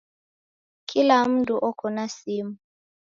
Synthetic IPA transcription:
kʰilam̩duʔɔkɔnasimu

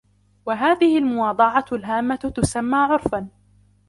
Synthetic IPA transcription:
waɦaːðɪhɪlmʊwɑːd̪ˤɑʕɑlɦaːmːat̪ʊsamːaːʕʊɾfan

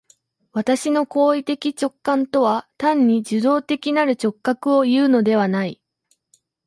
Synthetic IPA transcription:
βat̪aɕino̞ko̞ːit̪e̞kʲit͡ɕo̞kːãnt̪o̞β̞at̪ãɲ̟ːid͡ʑɨd̪o̞ːt̪e̞kʲinaɾɯ̟t͡ɕo̞kːakɯ̟o̞jɯ̟ːno̞d̪e̞β̞anai

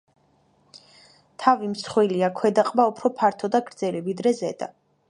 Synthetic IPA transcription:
t̪ʰavimsχwiliakʰwɛd̪aqʼbaupʰɾɔpʰaɾt̪ʰɔd̪aɡɾd̪zɛlivid̪ɾɛzɛd̪a̰

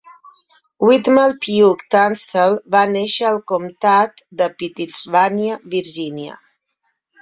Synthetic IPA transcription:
wit̪məlpiukt̪anst̪əlˠβaneʃəːlˠkumt̪at̪d̪əpit̪izβanjəβiɾʒinjə̰

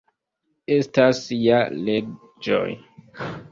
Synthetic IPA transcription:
e̞stasiale̞ | d͡ʒo̰j

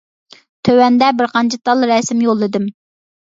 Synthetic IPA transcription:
t̪ʰøwɛnd̪ɛbɪɾqɑnt͡ʃʰit̪ʰɑlˠɾɛsɪmjolˠɪd̪ɪm

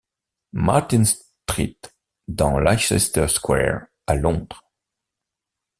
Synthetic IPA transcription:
ma̰ʁt̪ĩns | t̪ʁḭt̪ | d̪ɑ̃laɛ̰st̪ɛskwɛ̰ɹ | alɔ̃d̪ʁ

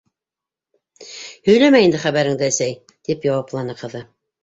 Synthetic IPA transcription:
hɵ̆jlæmæjɘnd̪ɘχæβæɾɘŋd̪ɘːsæj | t̪ipjɑwɑplˠɑnɤqɤ̆ðɤ

